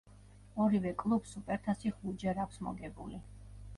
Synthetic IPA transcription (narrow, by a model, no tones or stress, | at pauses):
ɔɾivɛkʼlˠupsupʼɛɾt̪ʰasiχud͡ʒɛɾakʰsmɔ̰ɡɛbṵli